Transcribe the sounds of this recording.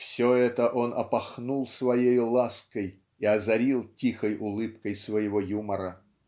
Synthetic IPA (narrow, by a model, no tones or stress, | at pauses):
fsʲoɛt̪əʔo̞nʔɐpɐxnulˠsvɐjejʊlˠaskəj | iɐzɐɾʲilˠtʲixəjʊlˠɨpkəjsvəjɪvojuməɾə